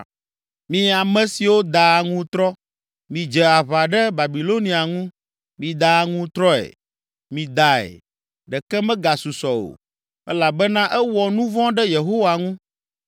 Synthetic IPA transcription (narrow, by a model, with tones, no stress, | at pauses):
mĩ˨a˨mɛ̃˨si˨wo˦d̪a˨ŋũ˦t̪ɾɔ˦ | mĩ˨d͡ʒɛ˨a˨βa˨ɖɛ˦ba˨bi˨lo˦nĩ˨a˨ŋũ˦ | mĩ˨d̪a˨ŋũ˦t̪ɾɔ˦ɛ̰˨ | mĩ˨d̪a˨ɛ̰˨ | ɖɛ˨kɛ˦mɛ̃˦ɡa˨su˨sɔ˨o̰˨ | ɛ˦la˨bɛ˦nã˦ʔɛ˦wɔ˨nũ˦vɔ̃˦ɖɛ˦je˨ɦo˦wa˨ŋũ˦